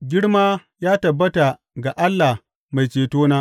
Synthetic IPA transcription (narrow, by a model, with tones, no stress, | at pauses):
ɡʲɪ˦ɽmaː˦ | jaː˦tɐ˨bːɐ˦ta˨ | ɡa˨ʔa˦lːa˨h | ma˨jt͡ʃeː˨toː˦naː˦ʔ